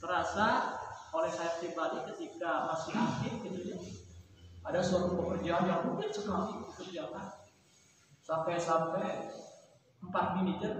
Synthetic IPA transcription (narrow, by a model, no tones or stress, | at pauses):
t̪əɾasaolɛhsajat̪ibalikət̪ikamasiʔakɪtɡit̪ud͡ʒa | adasoɾʊpəkərd͡ʒaanjaŋbukansəkalipəkərd͡ʒaan | sampajsampaj | mpat̪̚minid͡ʒə